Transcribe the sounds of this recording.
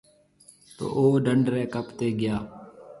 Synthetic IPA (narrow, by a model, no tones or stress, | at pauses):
t̪o̰ːʔoːɖəɳɖɾeːkəpt̪eːɡɪjaː